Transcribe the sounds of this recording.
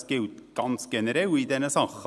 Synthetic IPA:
keʉt̪ɡ̥ɑnsɡɛnəɾɛid̪ɛnːəsɑx

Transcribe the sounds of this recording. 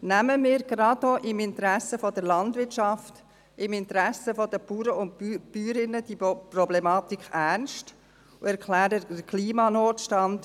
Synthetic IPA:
næməmɪːɾɡ̥ɾɑdoʔɪmɪntɾæsːəfɔdəɾlɑndvɪtʃɑft | ɪmɪnt̪əɾæsəfɔdəpuːɾəʊntpyːɾɪnəd̥iprɔblɛmɑːtikʰæɾnʃt | uɛɾkʰlæːɾəəkʰliːmɑnoːtʃtɑnd

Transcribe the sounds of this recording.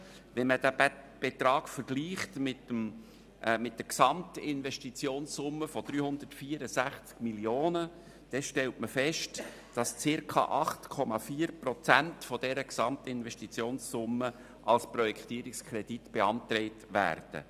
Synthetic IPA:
vɛnmədæb̥et̪ɾɑːkfəɾɡ̥liːχtmɪtəm | mɪt̚d̥əksɑmtɪnvɛʃtit͡sjoːnssʊmːəfɔd̥ɾyːhʊnd̪ərtfiːəɾəsæχt͡skmiljoːnə | d̥ɛʃtɛltməfɛʃt | d̥ɑst͡sɪɾkʰɑ̰ʔɑχtkʰɔmɑfiːɾprɔt͡sæntfɔdɛɾəksɑmtɪnvɛʃtit͡sjoːnssʊmːə | ʔɑlsprɔjɛktiːɾikskʰɾɛd̥itb̥eɑntrɛɪtvæ̰ːrd̥ə̰

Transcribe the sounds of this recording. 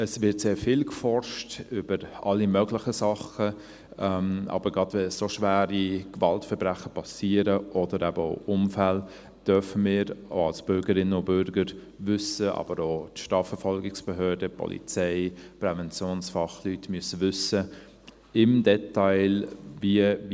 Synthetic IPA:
əsvɪtseːɾfɪlkfɔrʃtʏb̥əɾɑlːimœɡlɪχəsɑχə | ɛmɑ̰b̥əɾɡɑdʋɛssoʃʋæːɾikvɑltfɛɾbɾæχəpʰɑsiːəɾəʔɔdəɾæbəo̰ʊʔʊmfɛl | d̥œfəmɪːɾo̰ɑlsb̥ʏɾɡəɾɪnːəʊb̥ʏɾɡəɾ | vʏsəʔɑ̰b̥əɾoːtʃtɑːfəɾfɔlɡɪksb̥ɛɦøːdəpʰɔ̰lʔḭt͡sɛɪpɾɛvɛnt͡sjoːnsfɑχlytmyəsəʋʏsə | ɪmdɛtaɪlviə

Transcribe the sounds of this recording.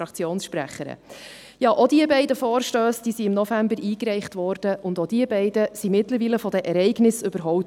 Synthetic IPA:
ɑkt͡sjoːnsʃpɾæ̰χəɾə̰ | jɑːʔod̥iəbɛɪdəfɔːɾʃtøːsd̥iːsiɪmnɔfæmbəɾiːkɾɛɪχtvɔːɾd̥əʔʊndod̥iəbɛɪdəsimɪtləɾʋiːləfɔd̥ɛʔɛɾɛɪɡnɪsɵbəɾɦɔʊ

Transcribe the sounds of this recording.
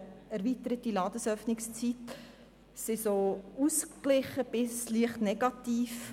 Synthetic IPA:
æɾviːtəɾətilɑːd̥əsœfnɪkst͡sit | sɪsousklɪχəb̥ɪsliəχtnɛɡɑtiːf

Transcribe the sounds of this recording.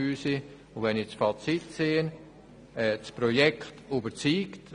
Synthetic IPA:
yːsɪ | ʊʋɛnɪt͡sfɑt͡sitseːən | ɛt͡spɾɔjɛkχtybəɾt͡siːkt

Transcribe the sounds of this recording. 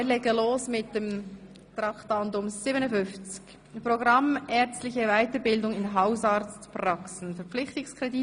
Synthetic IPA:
ɛːlɛɡəloːsmɪt̚d̥em | t̪ɾɑktɑndʊmsiːbənəfʏnft͡sɪ̥ç | proɡɾɑmɛɾt͡stlɪçəvaɪtəɾbɪldʊŋɪnɦaʊsɑɾt͡stprɑksn̩fɛɾp͡flɪçtɪŋskʰʁɛdi

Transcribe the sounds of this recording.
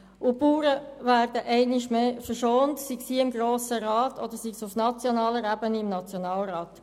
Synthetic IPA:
ʔʊpuːɾəʋæːɾd̥əʔɛɪnɪʃmeːfəʃoːntsiɡsiːɪmɡɾoːsəɾɑːtʰɔd̥̪əɾsiɡsufnɑt͡sjonɑːləɾæbəniɪmnɑt͡sjonɑːlɾɑːt

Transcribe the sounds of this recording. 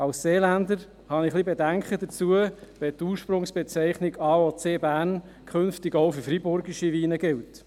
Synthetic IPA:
ɑwsseːlænd̪əɾ | hɑnɪχlibɛdæŋkχədət͡suəʋɛt̪uːɾʃpɾʊŋsb̥ɛt͡sɛɪχnɪɡɑːot͡seːbæːn | kʰχɵnftɪɡoʊfyɾfɾibʊɾɡiʃiʋiːnəɡɪlt

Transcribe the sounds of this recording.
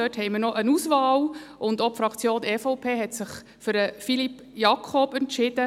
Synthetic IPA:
œːthɛɪməɾnɔʔənuːsʋɑːwʔʊnd̪ɔpfɾɑkʰt͡sjoːnʔɛfɔʊpʰeːɦɛt̪sɪχ | fʏɾəfilip | jɑkʰɔbɛntʃɪd̥ə

